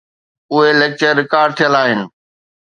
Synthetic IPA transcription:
ʊɦeleːk̚t͡ɕəɾːɪkaːɾɖ̚t̪ʰijəlaːɦɪnɪ̆

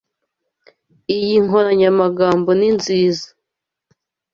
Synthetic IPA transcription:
ijiŋɦo̞ɾaɲamaɡaːmbo̞ninziːzḁ

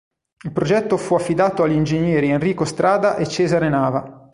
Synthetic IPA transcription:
ilpɾod͡ʒɛt̪ːofuafːid̪aːt̪oaʎːind͡ʒeɲjɛːɾienriːkost̪ɾʔaːd̪aʔet͡ʃːɛːzaɾenaːva

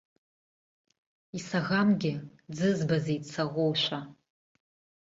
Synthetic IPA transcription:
isaɣamɡʲɪd͡zɨzbazejt͡sʰaʁʷowʃʷa

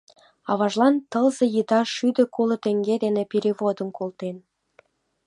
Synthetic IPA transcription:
ɑβɑʒlˠɑnt̪ɤlzɤ̆jɯt̪ɑʃyd̪ø̆kolˠə̆t̪eŋɡed̪enepeɾʲiβod̪ənkʰolt̪en

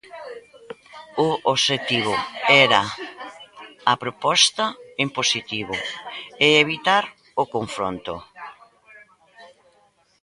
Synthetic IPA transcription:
ʊoʃet̪iβʊɛɾɐ | ɐpɾopɔst̪ɐemposit̪iβʊeeβ̞it̪aɾ | okoɱfɾo̰nt̪ʊ̰

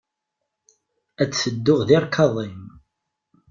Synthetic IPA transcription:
æt͡sːθəd̪ːʊʁðɪɾˤkʰɑðˤim

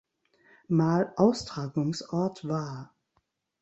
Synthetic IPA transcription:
maːlʔaʊstʁ̥aːɡʊŋsʔɔɐtvaːɐ

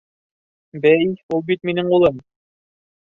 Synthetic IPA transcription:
bæjulˠbit̪minɘŋulˠɤm

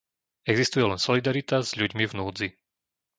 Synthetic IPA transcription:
ɛɡzist̪ujɛlɛnsɔlid̪aɾit̪azʎuɟmivnuːd͡zi

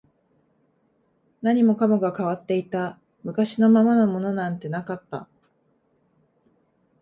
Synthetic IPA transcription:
naɲ̟imo̞kamoɡakaβat̪ːe̞it̪a | mɯ̟kaɕino̞mamano̞mo̞no̞nãnt̪e̞nakat̪ːa̰

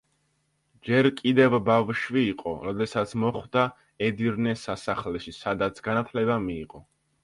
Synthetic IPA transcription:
d͡ʒɛɾkʼid̪ɛvbavʃviːqʼɔ̰ɾɔd̪ɛsat̪sʰmɔχvd̪a | ɛd̪iɾnɛsasaχlɛʃisad̪at̪sʰɡanat̪ʰlɛbamiːqʼɔ

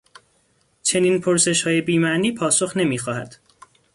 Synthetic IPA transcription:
t͡ʃʰe̞niːnpʰoɾse̞ʃhɒːje̞biːmæʔniːpʰɒːso̞xne̞miːxɒːɦæ̰d̪̥

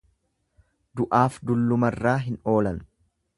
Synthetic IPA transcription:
d̪ʊʔaːfd̪ʊlːʊmɐrːaːɦɪno̞ːlɐn

